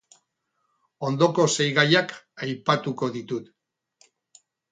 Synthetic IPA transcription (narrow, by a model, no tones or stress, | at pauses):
o̞nd̪o̞ko̞se̞jɣajakajpat̪uko̞ðit̪ut̪